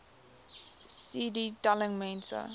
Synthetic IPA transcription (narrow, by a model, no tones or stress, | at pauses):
sididalə̃ŋmẽnsə̰